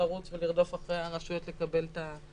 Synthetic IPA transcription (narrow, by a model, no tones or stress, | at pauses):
aʁut͡sveliʁd̪o̞faχʁejaʁaʃujot̪le̞kabe̞lta